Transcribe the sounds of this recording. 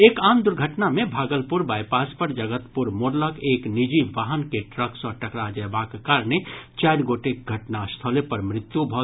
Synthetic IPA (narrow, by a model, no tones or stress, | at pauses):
eːkaːmd̪ʊɾɡʱəʈnamẽbʱaːɡəlpʊɾbaːjpaːspəɾd͡ʒəɡət̪pʊɾmoɾləkeːknɪd͡ʒiʋaːɦənkeʈɾəksɔːɾʈɐkɾad͡ʒəːbaːkekaːɾnet͡ʃaːɾɡoːʈek̚ɡʱəʈnast̪ʰəlepɐɾmɾɪt̪jubʱɔɦ